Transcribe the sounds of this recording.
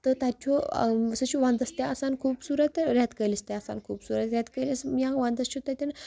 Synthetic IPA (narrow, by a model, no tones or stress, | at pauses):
t̪ət̪at̪ʰɔsət͡ɕuʋãnd̪əst̪jãəsankʰuːbsuɾət̪ɾʲjat̪kəlist̪jãəsa̰nkʰuːbsuɾət̪ɾʲjat̪kəlismiãʋãnd̪əst͡ɕʰut̪at̪ʲjan